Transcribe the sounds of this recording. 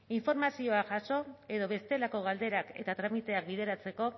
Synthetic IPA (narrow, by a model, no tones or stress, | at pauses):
iɱfo̞ɾmasio̞aʝaso̞e̞ðo̞βe̞st̪e̞lako̞ɣ̞ald̪eɾake̞̰t̪at̪ɾamit̪e̞ak̚bið̞e̞ɾat͡se̞ko̞